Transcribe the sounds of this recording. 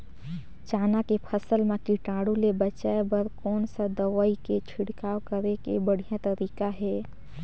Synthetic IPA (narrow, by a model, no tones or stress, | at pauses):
t͡ʃaːnakepʰəsəlmẽkiʈaːɽũlebət͡ʃaebəɾkɔːnsad̪əʋaːiket͡ʃʰɪɽkaːwkəɾekebəɽ̤ijãt̪əɾiːkaɦɛː